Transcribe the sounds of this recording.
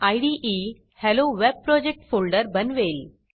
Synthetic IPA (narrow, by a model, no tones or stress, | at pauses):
ajɖiʔi | hɛloʋeb̚pɾɔːd͡ʑek̚ʈfʰoːlɖəɾbʱənʋeːl